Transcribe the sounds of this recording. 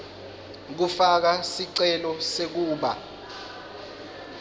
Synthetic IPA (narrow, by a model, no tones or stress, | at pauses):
k̬ufak̬asiǀɛlɔsek̬uːɓa̰